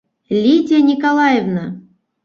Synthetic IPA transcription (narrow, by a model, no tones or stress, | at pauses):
lʲidʲenʲikolˠɑjevna